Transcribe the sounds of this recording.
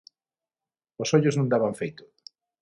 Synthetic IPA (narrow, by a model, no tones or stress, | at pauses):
osoʎʊznũŋd̪aβaɱfejt̪ʊ̥